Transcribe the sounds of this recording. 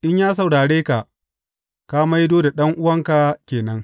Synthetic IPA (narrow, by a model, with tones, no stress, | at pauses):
ʔɪ˦ɲjaː˦s̬ɐ˨wɽaː˨ɽeː˦ka˨ʔ | ka˦ma˦jdoː˦da˨ɗɐ˦ŋʔʊ˦wɐ˦ŋka˨kʲeː˨nɐ˦ŋ